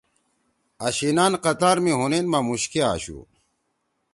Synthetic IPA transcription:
ɐɕinaːnqɐt̪aːɾmiɦunenmamuɕkia̰ːɕṵ

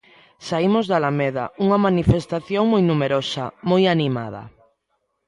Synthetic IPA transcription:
saimozðalameð̞a̰uŋamanifest̪aθjoŋmojnumeɾosamojanima̰ð̞a̰

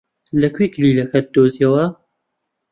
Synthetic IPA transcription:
lɐkʰwiklilɐkʰɐt̪̚d̪oziɐwɐ

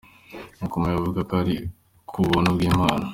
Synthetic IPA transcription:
mukomajavuɡakaɾi | kʰuβonobɡiːmaːna

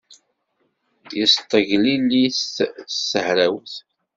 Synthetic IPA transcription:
jəst̪ˤːəʝlilːissəhɾæwθ

